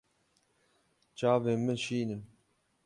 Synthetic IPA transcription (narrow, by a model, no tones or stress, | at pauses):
t͡ʃaːveːməʃiːnɨm